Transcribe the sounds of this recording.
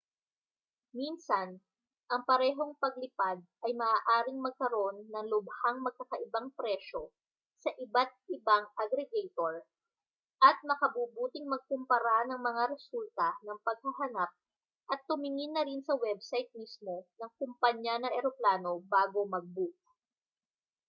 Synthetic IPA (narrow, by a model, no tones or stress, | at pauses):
minsɐn | ʔɐŋpɐɾɛːɦo̞ŋpɐɡlɪpad̪̚ʔɐjmɐʔaːʔaːɾɪŋmɐɡ̚kɐɾʔo̞nːɐŋlʊbhaŋmɐɡ̚kːɐkɐʔɪbaŋpɾɛʃo | sɐʔɪbat̪̚ʔɪbaŋʔɐɡɾɛɡɛjt̪oɹ | ʔɐt̪̚mɐkɐbuːbuːt̪ɪŋmɐɡ̚kʊmpɐɾanɐŋmɐŋaɾɛsult̪ɐnɐŋpɐɡ̚hɐɦɐnap̚ | ʔɐt̪ːʊmɪŋɪnːɐɾɪnsɐwɛbsajt̪̚mismo̞nɐŋkʊmpɐɲːanɐʔɛɾoplaːno̞baːɡo̞mɐɡ̚buk̚